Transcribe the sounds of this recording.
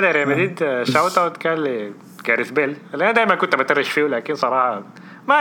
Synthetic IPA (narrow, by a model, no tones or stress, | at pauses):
d̪æɾemæd̪iːd̪ʃawt̪ˤɑwt̪kælːe | t̪ɡæɾɪθbelelːʔænæd̪æːjmænkʊnt̪æmat̪ɪɾɪʃfiːwlæːkɪnsˤɑɾˤɑːhɑ | mæ